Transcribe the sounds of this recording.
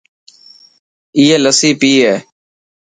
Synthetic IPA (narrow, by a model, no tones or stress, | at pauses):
iːɛːləsiːpiːɦɛː